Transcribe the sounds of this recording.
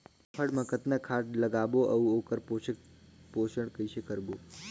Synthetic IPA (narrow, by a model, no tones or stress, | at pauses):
pʰəɽməkət̪nəkʰaʈləɡaboʔəʋũokəɾpo | poʃəɽkəiʃekəɾbo